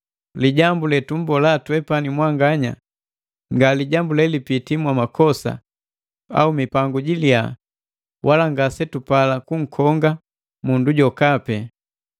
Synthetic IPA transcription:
liɟambulɛtum̩bɔlatuwɛpanimwaŋɡaɲa̰ | ŋɡaliɟambulɛlipitimwamakɔsa̰ | a̰umipaŋɡuɟilja̰ | wʔalaŋɡasɛtupalakuŋ̩kʰɔŋɡa | munduɟɔkapɛ

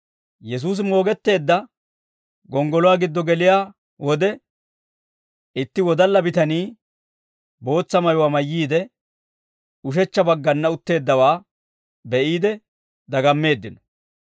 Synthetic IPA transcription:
jɛs̬uːs̬mo̞ːɡɛt̪ːe̞ːd̪ːɐ | ɡɔŋɡɔlɔwaːɡɪd̪ːɔɡɛlɪjaː | wɔd̪ɛ | ʔɪt̪ːɪwɔd̪ɐlːɐbɪt̪ɐniː | bo̞ːt͡sːɐmɐjʊwaːmɐjːiːd̪ɛ | ʊʃ̬ɛt͡ʃːɐbɐɡːɐnːɐʊt̪ːe̞ːd̪ːɐwaː | bɛʔiːd̪ɛ | d̪ɐɡɐmːe̞ːd̪ːɪnɔ̥

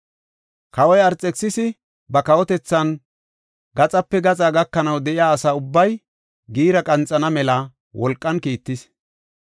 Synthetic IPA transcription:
kɐwɔjɐɾt͡sʼɛksːɪsɪ | bɐkɐwɔt̪ɛt͡sːɐn | ɡɐt͡sʼɐpːɛɡɐt͡sʼaːɡɐkːɐnɐwd̪ɛʔɪjaːsaːʊbːɐj | ɡiːɾɐkʼɐnt͡sʼːɐnɐmɛlɐ | wʔɔlkʼːɐnkiːt̪ːɪs

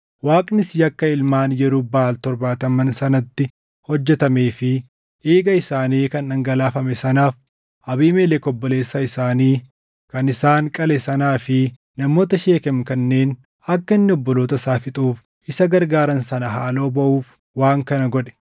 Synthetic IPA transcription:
waːkʼnɪsjɐkːɐɪlmaːnjɛɾʊbaːlt̪ɔɾbaːt̪ɐmɐnsɐnɐt̪ːɪ | hɔd͡ʒːɛt̪ɐme̞ːfɪ | ʔeːɡɐɪsaːniːkɐnɐŋɡɐlaːfɐmɛsɐnaːf | ɐbiːmeːlɛkɔbːɔle̞ːsːɐɪsaːniː | kɐnɪsaːŋkʼɐlɛsɐnaːfɪ | nɐmo̞ːt̪ɐʃe̞ːkɛmkɐnːe̞ːn | ɐkːɐɪnːɪɔbːɔloːt̪ɐsaːfɪt̪ʼuːf | ɪsɐɡɐɾɡaːɾɐnsɐnɐɦaːlo̞ːbɐʔuːf | waːŋkɐnɐɡɔᶑɛ̥

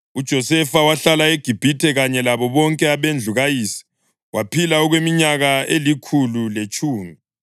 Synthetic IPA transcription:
ud̥ʒ̥ʱɔsɛfawaɬalaeɡ̥ʱib̥ʱitʰɛɣaɲɛlaβɔβɔŋkʼɛaβend͡ɮʱuɣajiːsi̥ | wʔapʰilaɔɣwemiɲaɣaelikʰululet͡ʃʼuːmi

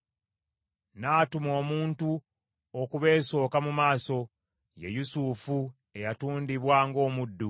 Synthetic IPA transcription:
naːtumo̞ːmuːntu | okuβe̞ːso̞ːkamumaːso̞ | jḛjusuːfu | e̞jatuːndiβwaːŋɡo̞ːmudːu

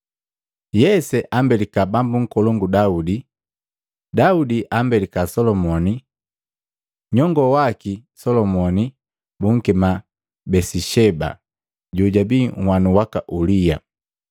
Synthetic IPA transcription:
jɛsɛʔambɛlikabambuŋ̩kɔlɔŋɡudaudi | daudiʔambɛlikasɔlɔmɔni | ɲɔŋɡɔwakisɔlɔmɔni | buŋ̩kɛma | bɛsiʃɛba̰ | ɟuɟabiŋ̩hwanuwakaʔulija̰

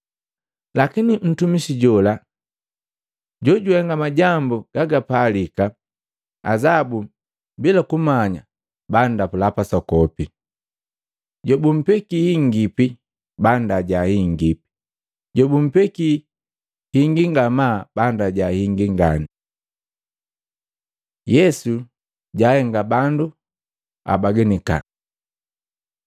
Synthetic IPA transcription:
lakinin̩tumisiɟɔla | ɟɔɟuɛŋɡamaɟambuɡ̥aɡapalika | azabu | bilakumaɲa̰ | bandapulapasɔkɔpi | ɟɔbum̩pɛkihiŋɡipi | bandaɟahiŋɡipi̥ | ɟɔbum̩pɛki | hiŋɡiŋɡamabandaɟahiŋɡiŋɡani | jɛsu | ɟaːhɛŋɡabandu | a̰baɡɛnika̰

